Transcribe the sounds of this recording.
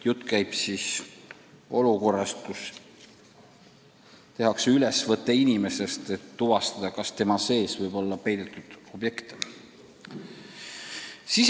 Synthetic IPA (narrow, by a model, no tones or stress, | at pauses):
jut̪ːˑkæjb̥siːs | o̞luko̞rːɑst̪̚kus | t̪e̞ɦɑkseylesvɤt̪ːˑe̞inime̞se̞st̪e̞t̪ːuvɑst̪ɑd̪̥ɑkɑst̪e̞mɑse̞ːsvɤjbo̞lːɑpejd̪̥et̪ːˑud̪̥o̞bje̞kt̪e̥ | sis